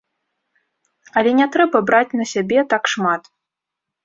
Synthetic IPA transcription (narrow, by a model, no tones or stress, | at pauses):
ɐlʲɛnʲɛt̪ɾɛbɐbɾat͡sʲnɐsʲabʲɛt̪akʂmat̪